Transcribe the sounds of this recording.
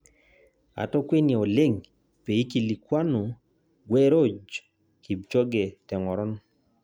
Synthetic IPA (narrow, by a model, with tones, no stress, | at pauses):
a̰˨tɔ˦kwe˦ne˨o˨le˦ŋ | pe˨i˦ki˨li˨kwa˦nu˨ | ɡwɛ˦ɾo˦d͡ʒ | ki˨b̚t͡ʃɔ˦ɡe˨tɛ˨ŋɔ˨ɾɔ˦n˦